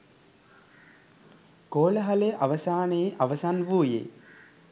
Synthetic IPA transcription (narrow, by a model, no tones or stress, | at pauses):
koːləɦɐleʔaʋəsaːneiʔaʋəsanʋuːjḛ